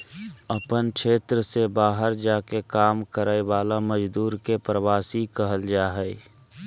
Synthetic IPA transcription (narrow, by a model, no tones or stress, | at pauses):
əpənkʃeːt̪ɾəsebaːɦəɾd͡ʒaːkekaːmkəɾəeʋaːlaməd͡ʒd̪uːɾkepɾəʋaːsikəɦəld͡ʒaːɦɛe